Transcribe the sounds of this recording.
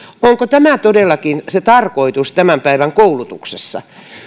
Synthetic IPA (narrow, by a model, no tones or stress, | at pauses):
oŋkot̪æmæt̪odelˑːɑkinset̪ɑrkoit̪ust̪æmæmpæiʋæŋkoulut̪uksesːɑ̰